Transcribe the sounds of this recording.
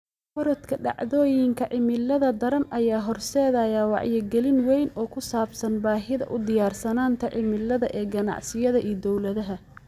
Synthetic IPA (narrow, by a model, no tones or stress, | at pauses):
fɔɾɔt̪kʰɐɖɑ̰ʕðɔːjɪŋkʰɐʕɪmɪlːɐðɐd̪ɐɾɐnɐjaːɦɔrsɛːðɐjaːwɑ̰ʕjɛɡɛlɪnwɛjnɔːkʰʊsaːbsɐnbaːɦɪðɐ̰ʔʊd̪ɪjaːrsɐnaːnt̪ʰɐʕʔɪmɪlːɐðɐʔɛːɡɐnɑ̰ʕsɪjɐðɐʔiːd̪ɔwlɐðɐɦɐ